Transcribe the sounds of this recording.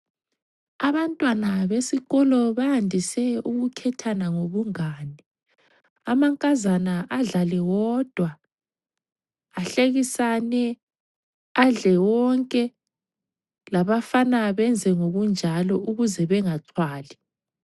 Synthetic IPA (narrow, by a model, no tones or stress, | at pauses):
aβantʼwanaβesiɣɔlɔβahandʱisɛuɣukʰɛtʰanaŋoβuŋaːnɛ | amaŋkʼazanaʔaɮalɛwɔːd̥ʱwa | ɬeɣisanɛ | aɮɛwɔŋkʼɛ | laβafanaβɛnd͡zʱɛŋoɣund͡ʒʱalɔʔuɣuzɛβɛŋaǀʰwaːlɛ